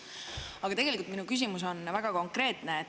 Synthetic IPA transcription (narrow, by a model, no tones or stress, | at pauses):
ɑɡɑt̪e̞ɡelikult̪minukys̬imus̬o̞nvæɡ̥ɑko̞ŋkˑre̞ːt̪ˑneː